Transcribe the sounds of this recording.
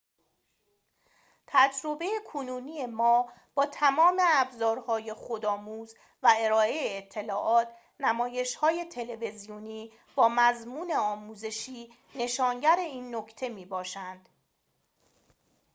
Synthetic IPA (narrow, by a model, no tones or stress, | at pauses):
t̪ʰæd͡ʒɾo̞be̞jekʰonuːniːe̞mɒː | b̥ɒːt̪ʰæmɒːme̞æbzɒːɾhɒːje̞xod̪ɒːmuːz | væe̞ɾɒːe̞jeːt̪ʰːe̞lɒːʔɒːt̪ʰ | næmɒːje̞ʃhɒːje̞t̪ʰe̞le̞ve̞zijoniː | b̥ɒːmæzmuːne̞ɒːmuːze̞ʃiː | ne̞ʃɒːŋɟæɾe̞iːnːocʰt̪ʰe̞miːbɒːʃænd̪̥